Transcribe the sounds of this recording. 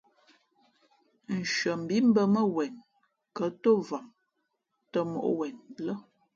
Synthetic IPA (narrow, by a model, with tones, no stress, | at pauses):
n̩˨ʃə˨m̩˨bi˦m̩˦bə˦mə˦wɛ˨n | kə˨˦to˦va˨m | tə˦mo̰˨ʔwɛ˨nlə˦